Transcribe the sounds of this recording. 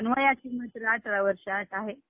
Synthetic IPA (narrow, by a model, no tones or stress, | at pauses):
ənʋəjat͡ɕimət̪ɾaʈɾaʋəɾɕat̪aɦe